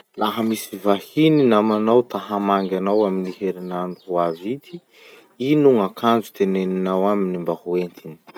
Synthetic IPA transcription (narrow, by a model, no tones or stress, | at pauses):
laɦəmisivahininamanawt̪aɦamaŋɡʲanawaminiheɾinanuuavit̪ʰi | inuŋakʰand͡ʒu̥t̪eneninawaminimbahuent̪ini̥